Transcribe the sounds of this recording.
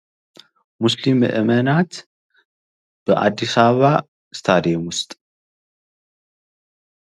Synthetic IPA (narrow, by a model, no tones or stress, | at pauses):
muslimɨ̰ʔɨmɐnat̪ | b̥ɨʔa̰d̪ːisaβa | st̪ʰad̪emʊst̪ʼ